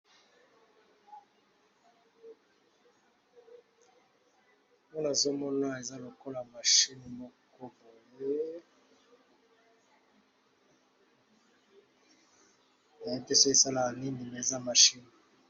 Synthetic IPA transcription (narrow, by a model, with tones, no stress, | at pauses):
mo˦na˨zo˦mɔ˦na˦e˨za˦lo˨ko˦la˨ma˨ʃi˦ni˨mo˦ko˦bo˨je˦ | a˨e˦pe˦so˦e˦˨sa˦la˨a˨ni˦ni˨me˨e˨za˦ma˨ʃi˦ni˨